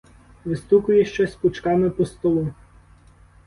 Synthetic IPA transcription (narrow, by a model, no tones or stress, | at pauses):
ʋɪst̪ukʊjɛʃt͡ʃɛsʲpʊt͡ʃkɑmɪpɔst̪ɔlˠu